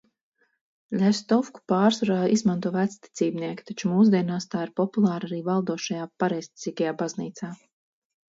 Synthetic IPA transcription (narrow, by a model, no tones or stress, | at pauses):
lʲɛst̪ɔfku̥paːɾsɾaːdʔizmant̪uɔvæt̪st̪i̥t̪siːbniɛkʲi̥t̪at͡ʃumuːs̬d̪iɛnaːst̪aːiɾpɔpulˠɑːɾaɾiːvalˠd̪uɔʃajaːpaɾɛjsʲt̪ʲi̥sʲikajaːbazniːt̪saː